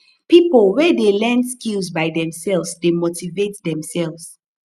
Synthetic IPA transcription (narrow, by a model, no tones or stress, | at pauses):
pipəlˠwɛdelɛ̃nskilzbaɪdɛ̃msɛlˠvsdemotivetdɛ̃msɛlvs